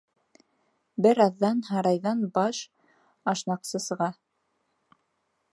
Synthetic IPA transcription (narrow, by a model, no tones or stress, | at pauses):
bɘɾɑðːɑnɦɑɾɑjðɑnbɑʃ | ɑʃnɑqsɤsɤ̆ʁɑ